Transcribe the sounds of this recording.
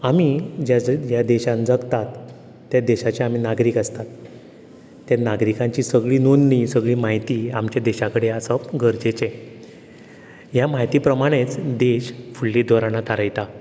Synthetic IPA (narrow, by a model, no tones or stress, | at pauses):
amid͡ʑad͡ʑjad̪eɕãnd͡zəɡt̪at̪ː | jad̪eɕat͡ɕaamiːnaɡɾiːkəst̪at̪ː | janaɡɾikãɲt͡ɕiːsəɡɭiːnunːisəɡɭiːmaɦit̪iːamt͡ɕjad̪eɕakəɽeasəpɡʱəɾd͡ʑet͡ɕẽ | jamaɦit̪iːpɾəmaɽ̃et͡sd̪eɕfuɭːid̪ʱɔɾanat̪aɾajt̪a